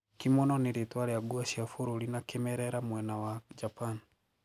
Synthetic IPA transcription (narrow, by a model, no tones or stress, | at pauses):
kimɔnɔniɾetwaɾejaɡuaʃiafuɾuɾinakemɛɾɛɾamwɛnawad͡ʒapan